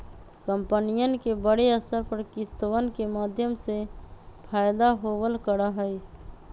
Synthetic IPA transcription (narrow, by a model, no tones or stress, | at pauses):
kəmpənijənkebəɽeəsəɾpəɾkɪst̪əwənkemaːd̪ʱjəmsepʰaːjd̪aɦoːwəlkəɽaɦəi